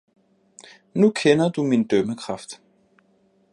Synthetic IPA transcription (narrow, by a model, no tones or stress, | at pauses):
nukʰɛnɐd̥umind̥øːməkʰʁɑfd̥